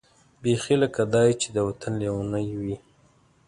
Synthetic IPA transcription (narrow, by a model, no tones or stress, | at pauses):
bexiləkad̪ɑjt͡ʃed̪əwat̪anlewanəjwi